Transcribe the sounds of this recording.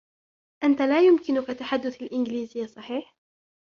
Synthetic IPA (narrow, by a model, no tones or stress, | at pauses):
ʔant̪alaːjʊmkɪnʊkat̪ːaħad̪ːʊθalʔɪnɡɪliːzɪjːasˤɑħiːħ